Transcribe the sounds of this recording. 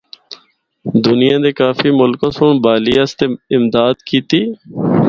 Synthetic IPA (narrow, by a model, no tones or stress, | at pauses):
d̪ʊnɪjãːd̪eːkaːfiːmʊlkõːsuːɳbaːliːəst̪eːɪmd̪aːd̪kiːt̪iː